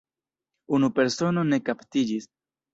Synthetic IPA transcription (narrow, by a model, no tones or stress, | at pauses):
unupe̞ɾso̞no̞ne̞kaptid͡ʒis